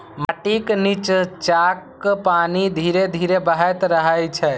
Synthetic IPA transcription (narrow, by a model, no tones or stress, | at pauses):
məʈiknit͡ʃt͡ʃakː | panid̪ʱiɾed̪ʱiɾebəɦəjt̪ɾəɦəjt͡ʃʰɛ